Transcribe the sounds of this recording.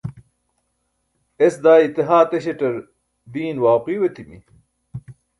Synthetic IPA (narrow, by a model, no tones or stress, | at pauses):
esd̪aːit̪iɦaːt̪eɕeʈɐɾ | d̪iːnwaːqiːwet̪ʰimḭ